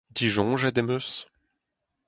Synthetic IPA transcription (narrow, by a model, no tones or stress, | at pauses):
d̪iʒɔ̃ʒɛd̪emøs